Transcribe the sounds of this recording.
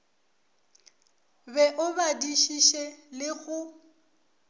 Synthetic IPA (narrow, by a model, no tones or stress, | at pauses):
bɛʔʊbadiʃiʃɛlɪɣʊ